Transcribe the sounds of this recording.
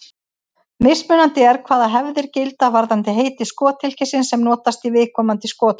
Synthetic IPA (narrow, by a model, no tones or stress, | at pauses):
mesmʏːnant̪ɪɛɾkʰvaːðaɦɛvðɪɾcɪlt̪avaɾðant̪ɪɦeːjt̪ɪskɔːt̪ʰɪl̥cʰɪsɪnsɛmnɔːt̪ast̪ivɪːðkʰɔːmant̪ɪskɔːt̪